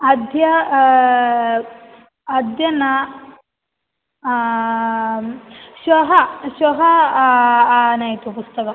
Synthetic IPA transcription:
ɐd̪ʱjɐ | d̪jɐnɐ | ʃʋɐɦɐʃʋɐɦɐ | nɐjt̪upust̪ɐkɐ

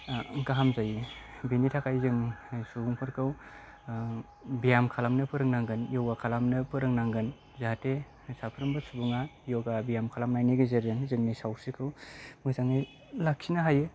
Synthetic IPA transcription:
ɡaɦamzajibinitʰakʰajzɯŋsubuŋpʰɯɾkʰɯw | bijamkʰalamnɯpʰɯɾɯŋnaŋɡɯnjowakʰalamnɯpʰɯɾɯŋnaŋɡɯn | zate | sapʰɯɾɯmbɯsubuŋajɔɡabijamkʰalamnajniɡɯzeɾzɯŋzɯŋnisawsikʰɯwmɯzaŋni | laksʰinaɦajɯ

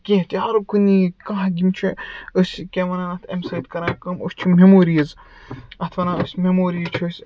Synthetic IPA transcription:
kʲẽt̪ʲaːɾɐkunikãɦɐɡʲimt͡ʃʰiəsʲkʲemɐnanɐt̪ʰemsɐjt̪kɐɾãːkɐmosʲt͡ʃʰimʲemoːɾijɐz | ɐt̪ʰʋɐnãːəsʲmemoːɾit͡ʃʰəsʲ

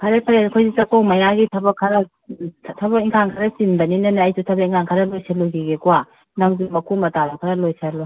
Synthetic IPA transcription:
kʰɐɾepʰɐɾekʰojzisɐkowmɐjaɡitʰɐbɐkʰːɐɾɐ | tʰɐbɐkiŋkʰaŋkʰɐɾɐsinbɐninɐnɐːjsutʰɐbɐiŋkʰaŋkʰɐɾɐlojsaloɡiɡekuwa | naŋzumɐkʰumɐtadukʰɐɾɐlojsalo

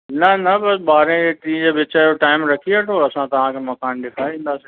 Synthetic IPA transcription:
nɐnɐbɐsɓaːɾẽd͡ʑeːʈĩːd͡ʑeːbɪt͡ɕəjoʈaːɪmɾɐkʰieʈʰoːɐsãt̪ɐʋ̤ãkʰeːmɐkaːnɗɪkʰaːĩːn̆d̪aːsĩ

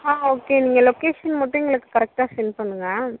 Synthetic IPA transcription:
haːoːkeniːŋɡɐlokeːʂɐnmɐʈːʊŋɡɐɭɯkːɯ̥kɐɾɛk̚ʈaːsɛnpɐɳːɯŋɡɐ

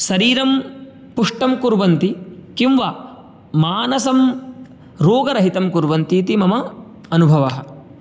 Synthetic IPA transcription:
sɐɾiːɾɐm | puʂʈɐmkuɾʋɐnt̪ikimʋa | maːnɐsɐm | ɾoːɡɐɾɐɦit̪ɐmkuɾʋɐnt̪iːt̪imɐmɐ | ɐnubʱɐʋɐɦɐ̰̆

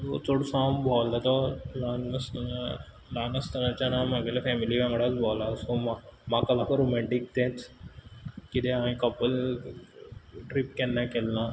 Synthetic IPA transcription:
ʋo̰t͡soɽsaːmbʱɔld̪at̪ɔlanəs | laːnəst̪əɾat͡ɕanaːmaɡelefɛːmiliʋãŋɡɽat͡sbʱɔːlasomamãkɐlːãkɔɾoːmɛ̃ɳʈik̚t̪ẽːt͡s | kid̪eãĩkɔpəl | ʈɾipkɛnːakelːã

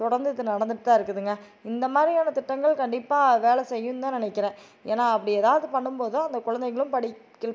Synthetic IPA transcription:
t̪ʊɽɐɾnd̪ɯðːɯnɐɽɐnd̪ɯʈːt̪ːaːɪɾɯkːɯðɯŋɡɐ | ɪnd̪ɐmaːd̪ɾɪjaːnɐt̪ɪʈːɐŋɡɐɭkɐɳɖɪpːaːʋeːɭɛsɛjːɯnt̪ãːnɪnɛɪkːɪɾẽː | eːnaːɐpːɐɽɪeːðaːʋɐðɯpɐɳːɯmpoːðɯ̃ɐnd̪ɐkʊɻɐnd̪ɛɪŋɣɐɭɯmpɐɽɪː | ɪɭ

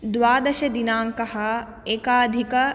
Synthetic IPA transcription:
d̪ʋaːd̪ɐʃɐd̪inaːŋkɐɦɐ | eːkaːd̪ʱikɐ

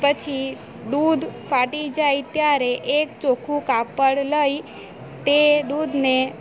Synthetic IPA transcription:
pət͡ʃʰi | d̪ud̪faʈid͡ʒait̪jaɾeʔek̚t͡ʃokʰũkapəɽləj | t̪ed̪ud̪ʱne

